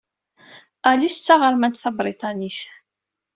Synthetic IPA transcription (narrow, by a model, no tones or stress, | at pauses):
ælist͡sːaʁəɾmænt̪θɑbɾit̪ˤɑniθ